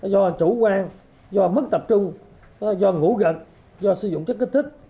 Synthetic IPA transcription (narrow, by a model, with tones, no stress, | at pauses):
zɔ˧t͡ɕu˧˩˦kwaː˧ŋ | zɔ˧mə˦˥k̚t̪ə˨˩p̚t͡ɕʊ˧ŋ͡m | zɔ˧ŋu˧˥˦ɣə̰˧˨n | zɔ˧sɨ˨˦zʊ̰˧˨ŋ͡mt͡ɕə˦˥k̚ːi˦˥t̪ʰi˦˥k̚